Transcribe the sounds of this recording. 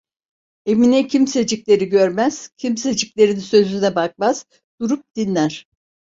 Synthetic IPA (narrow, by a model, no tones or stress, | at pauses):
eminɛcʰimse̞d͡ʒiclʲe̞ɾiɟøɾmæz̥cʰimse̞d͡ʒiclʲe̞ɾinsø̞zynɛbak̚maz̥ | d̪̥uɾup̚d̪̥inlʲæɾ̥